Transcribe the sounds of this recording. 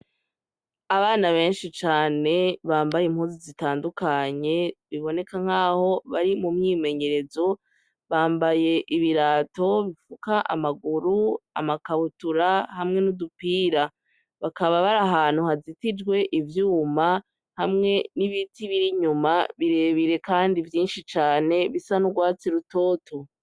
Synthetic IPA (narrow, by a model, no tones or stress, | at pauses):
aβaːnaβe̞ːnʃit͡ʃaːne̞βaːmbajim̥huːnzizitaːndukaɲe̞βiβo̞ne̞kaŋ̥haːho̞βaɾimumɲiːme̞ɲe̞ɾe̞zo̞ | βaːmbaje̞ʔiβiɾaːto̞βifukaʔa̰maɡuɾua̰makaβutuɾahamŋe̞nudupiːɾa | βakaβaβaɾaɦaːn̥uhazitid͡ʒɡwe̞ʔivjuːma | hamŋe̞niβitiβiɾiɲumaβiɾe̞βiɾe̞kaːndivjiːnʃit͡ʃaːne̞βisanuɡwaːt͡siɾuto̞ːto